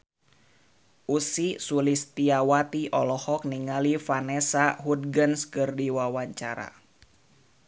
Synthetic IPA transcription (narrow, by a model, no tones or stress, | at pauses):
ʔusisulist̪iawat̪iʔɔlɔhɔk̚niŋalifanɛsaɦud̪̚ɡənskɨrdiwawaɲt͡ʃaɾa̰